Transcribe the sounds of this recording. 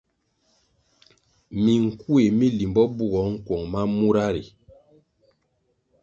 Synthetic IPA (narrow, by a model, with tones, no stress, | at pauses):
mi˨ŋ̩˨ku˦e˨mi˦li˨mbɔ˦bu˦ɣɔ˨˦ŋ̩˦kwɔ˨ŋma˦mu˦ɾa˦ɾḭ˨